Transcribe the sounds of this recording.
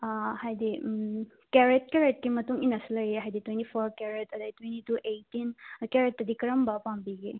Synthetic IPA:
hajdi | keɾet̚keɾet̚kimɐtuŋinɐsilɐjeɦajditwentipʰoɾkeɾetɐdajtwentituʔejtinkeɾet̚ːɐdikɐɾɐmbɐpambiɡe

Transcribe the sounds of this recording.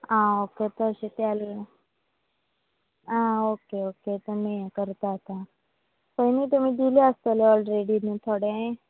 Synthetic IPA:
ãːoːket̪osit̪jaːl | aːoːkeoːket̪omẽkəɾt̪at̪a | pəinit̪ɐmĩd̪ileast̪eleɔːlɾeːɖinẽt̪ʰoːɽeɦẽ

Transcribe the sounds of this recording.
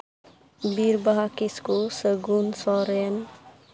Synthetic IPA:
biɾbaɦakiskosəɡunsɔɾen

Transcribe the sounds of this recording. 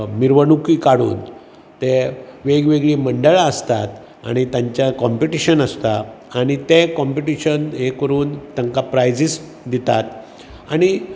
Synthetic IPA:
miɾʋənukiːkaɽṵːn | t̪eʋeɡʋeɡɭiːməɳɖəɭaəst̪at̪ | a̰ɽ̃it̪jãɲt͡ɕjakɔmpiʈiɕənəst̪a | aɽ̃it̪ekɔmpiʈiɕənɦekəɾuːnt̪əŋkapɾajd͡zis | d̪it̪at̪ | aɽ̃i

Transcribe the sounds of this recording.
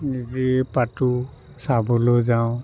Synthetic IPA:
nizipatu | sabɔlozaʊ̃

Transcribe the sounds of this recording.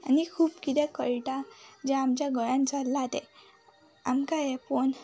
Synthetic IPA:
anikʰuːpkit̪ɛkəɭʈad͡ʑɛamt͡ɕjaɡʱəɭãnt͡salːat̪ɛ̰̃ | amkajɛpon

